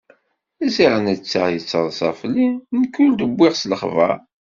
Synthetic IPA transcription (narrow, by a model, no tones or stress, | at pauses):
ziʁənət͡sːaʁjət͡sːəðˤsɑ̰flinkːuld̪əbʷːɪʁsləχvæ̰